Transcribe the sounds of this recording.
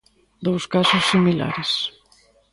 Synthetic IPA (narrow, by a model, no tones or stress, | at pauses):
d̪owskasʊsːimila̰ɾɪs